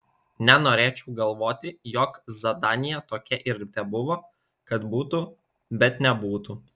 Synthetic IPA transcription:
nʲɛnoːɾʲeːt͡ʃʲɛʊɡɐlˠʋoːt̪ʲɪjɔkzɐd̪ɑːnʲɪjɛt̪oːkʲɛʔɪɾt̪ʲɛbʊʋoː | kɐt̪buːt̪u | bʲɛt̪nʲɛbuːt̪u

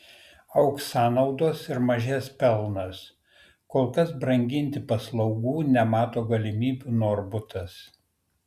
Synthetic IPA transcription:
ɐʊksɑːnɒʊd̪oːsɪɾmɐʒʲæspʲɛlˠnɐs | koːlˠkɐsbɾɐŋʲɡʲɪnʲt̪ʲɪpɐslˠɒʊɡuːnʲɛmɑːt̪oːɡɐlʲɪmʲiːbʲuːnoːɾbʊt̪ɐs

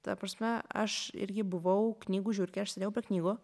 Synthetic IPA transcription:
t̪ɐpɾɐsʲmʲɛɐ̰ʃɪ̰ɾʲɡʲɪbʊʋɐʊknʲiːɡuːʒʲuːɾʲkʲɛɐʃsʲɐd̪ʲeɛʊpʲɾʲiɛknʲiːɡoː

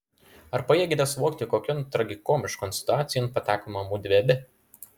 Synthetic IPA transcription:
ɐɾpɐjiɛɡʲɪd̪ʲɛsʋoːkt̪ʲɪkoːkʲɔnt̪ɾɐɡʲɪkoːmʲɪʃkɔnsʲɪ̥t̪ʊɑːt̪sʲɪjonpɐt̪ʲæːkomɐmuːd̪ʲʋʲeːbʲɪ

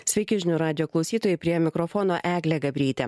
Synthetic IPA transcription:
sʲʋʲɛɪkʲɪʒʲnʲʊɾɑːd̪ʲɪjoːklˠɒʊsʲiːt̪oːjɛɪpʲɾʲiɛmʲɪkɾɔfɔːnoːʔæːɡlʲɛɡɐbʲɾʲiːt̪ʲɛ̰

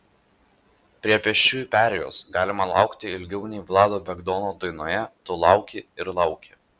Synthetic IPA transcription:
pʲɾʲiɛpʲɛʃʲt͡ʃʲuːjupʲæːɾʲɛjo̰ːsɡɑːlʲɪmɐlˠɑ̰ˑʊkt̪ʲɪɪlʲɡʲɛʊnʲɛːʋlˠɑːd̪oːbʲɛɡd̪ɔːnod̪ɐɪnoːjɛt̪olˠɑˑʊkʲɪɪɾlˠɑʊkʲe

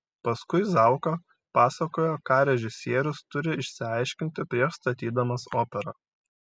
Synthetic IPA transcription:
pɐskʊɪzɑˑʊkɐ | pɑːsɐkoːjokɑːɾʲɛʒʲɪsʲiɛɾʲʊst̪ʊɾʲɪɪʃʲsʲɪɑɪʃʲkʲɪnʲt̪ʲɪpʲɾʲiɛʃst̪ɐt̪ʲiːd̪ɐmɐsoːpʲɛɾɐ

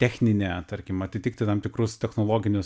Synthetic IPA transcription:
t̪ʲæːxʲnʲɪnʲet̪ɐɾʲkʲɪmɐt̪ʲɪtʲɪkt̪ʲɪt̪ɐmt̪ʲɪkɾʊst̪ʲɛxnoːlˠoːɡʲɪnʲʊs

